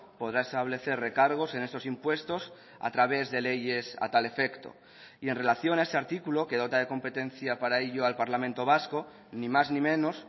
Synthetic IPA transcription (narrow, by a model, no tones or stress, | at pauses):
po̞ð̞ɾae̞st̪aβ̞le̞θe̞rre̞kaɾɣ̞o̞se̞ne̞st̪o̞simpwe̞st̪o̞s | a̰t̪ɾaβ̞e̞zðe̞le̞ʝe̞sa̰t̪ale̞fe̞kt̪o̞̰ | ie̞nre̞laθjo̞naeseaɾt̪ikulo̞ke̞ð̞o̞t̪að̞e̞ko̞mpe̞t̪ẽ̞nθjapaɾaeʎoalpaɾlament̪o̞β̞asko̞ | nĩmaznĩmẽ̞no̞s